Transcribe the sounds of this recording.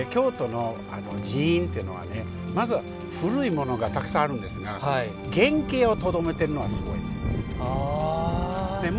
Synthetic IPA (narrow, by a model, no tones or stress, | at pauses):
kʲo̞ːt̪o̞no̞ | a̰nod͡ʑiĩnt̪eiɯ̟no̞̰βa̰ne̞ | mazɨ | ɸɯ̟ɾɯ̟imo̞no̞ɡat̪akɯ̥sãaɾɯ̟̃nd̪e̞sɨɡah | ɡẽ̞ŋke̞ːo̞t̪o̞d̪o̞me̞t̪e̞ɾɯ̟no̞βasɨɡo̞ḭd̪esɨ̥ | nem